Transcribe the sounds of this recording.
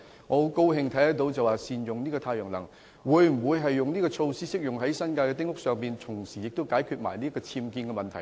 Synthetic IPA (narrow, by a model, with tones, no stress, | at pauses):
ŋɔ˨˧˥ko˥wɦɪ˧ŋt̪ʰɐ˨˥jhɐ˦˥t̚t̪o˧wt͡sɐ˨waː˨siː˨njʊ˨ŋniː˥kɔː˧aː˧jœː˨˩ŋlɐ˨˩ŋ | wuː˨˧jm̩˨˩wuː˨˧jɦɐ˨jːʊ˨ŋniː˥kɔː˧t͡sʰo˧wsiː˥sɪ˥k̚jʊ˨ŋɦɐ˨˥jsɐ˥nkaː˧kɛː˧t̪ɪ˥ŋʊ˥k̚sœː˨ŋpiː˨nt͡sʰʊ˨˩ŋsiː˨˩jɪ˨k̚t̪wkaː˨˥jkʰyː˧t̚ma̰ː˨˩jniː˥kɔː˧t͡sʰiː˧mkiː˧nkɛ˧mɐ˨nt̪ʰɐ˨˩j